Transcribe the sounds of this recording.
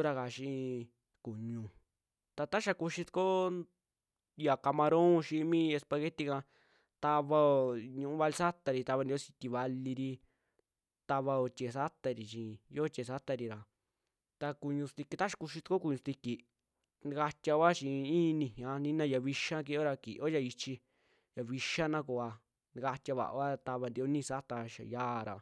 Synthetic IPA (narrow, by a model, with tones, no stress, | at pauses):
o˦ɾa˧ka˨ʃĩ˧ | ku˨ɲũ˧ | t̪a˧t̪a˦ʃa˧ku˧ʃi˧t̪ko˦ | ja˨ka˧mã˧ɾõ˦˧ʃĩ˧mĩ˦e˧spa˧ɣe˦t̪i˧kã˧ | t̪a˧βa˧o˧˨ɲũ˧ũ˦βa˧li˧sa˦t̪a˧ɾi˧t̪a˧βa˧ni˧o˦si̥˧t̪i˧βa˧li˧ɾi˧ | t̪a˧βa˧o˧t͡ʃʲe˨sa˦t̪a˧ɾi˨ʃĩ˨jo˦t͡ʃʲe˨sa˦t̪a˧ɾi˧ɾa˨ | t̪a˧ku˧ɲũ˧st̪i˧ki˧t̪a˦ʃi̥˧ku˧ʃi˧t̪u˧ko˦ku˧ɲũ˧st̪i˧ki˧ | n˧ka˧t̪ʲa˧βa˦t͡ʃĩ˧ĩː˦˧nĩ˧˨hã˧nĩ˦nã˧ja˧βi˧ʃa˦k̬i˧o˦ɾa˧kḭ˨ʔo˦ja˧i˧t͡ʃi˧ | ja˨βi˧ʃa˦nã˦ko˧a˧ | n˧ka˧t̪ʲja˧βa̰˨ʔa˦t̪a˧βa˧nd̪i˧o˦nĩ˧sa˦t̪a˧ʃa̰˨jaː˦˨ɾa˨